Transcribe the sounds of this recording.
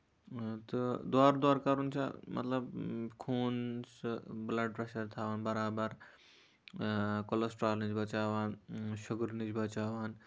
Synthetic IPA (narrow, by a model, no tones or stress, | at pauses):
t̪ɨd̪waːɾd̪aːɾkɐɾunt͡ʃʰa̰mʔɐ̰t̪lɐbkʰuːnsblɐɖ̚pɾeːʃɐɾt̪ʰaːʋaːnbɐɾaːbɐɾ | kolɐsʈɾaːlnid͡ʒbɐt͡ʃaːʋaːnʃʊɡɾnid͡ʒbɐt͡ʃaːʋaːn